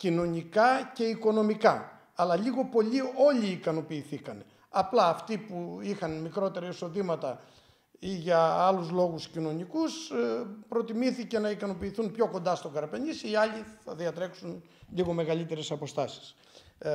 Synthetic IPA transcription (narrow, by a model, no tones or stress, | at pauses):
cino̞nikɐce̞iko̞no̞mikɐ | ɐlɐʎiɣo̞po̞ʎio̞ʎiːkɐno̞piːθikɐn | ɐplɐːft̪ipuixɐnmikɾo̞t̪e̞ɾɐiso̞ðimɐt̪ɐ | iʝɐɐluzlo̞ɣuscino̞nikuspɾo̞t̪imiθice̞nɐikɐno̞piːθunpço̞ko̞nd̪ɐst̪o̞ɡɐɾɐpe̞ɲisiɐʎiθɐðiɐt̪ɾe̞ksun | ʎiɣo̞me̞ɣɐlit̪e̞ɾe̞sɐpo̞st̪ɐsi̥s